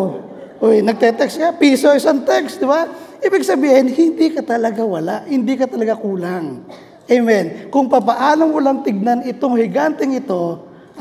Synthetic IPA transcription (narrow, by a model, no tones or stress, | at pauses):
o | ʔojnɐɡ̚t̪ɛt̪ɛkskapiːsoɪsant̪ɛksd̪ɪba | ʔiːbɪɡsɐbiːhɪnhɪnd̪ikɐt̪ɐlɐɡawɐlaʔhɪnd̪iːkɐt̪ɐlɐɡakuːlaŋ | ʔɛjmɛnkʊŋpɐpɐʔaːloŋmʊlaŋt̪ɪɡ̚nanɪt̪oŋhɪɡant̪ɛŋɪt̪o̞